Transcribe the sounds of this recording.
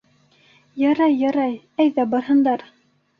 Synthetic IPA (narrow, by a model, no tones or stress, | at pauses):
jɑɾɑjːɑɾɑj | æjðæbɑɾɦɤ̆nd̪ɑɾ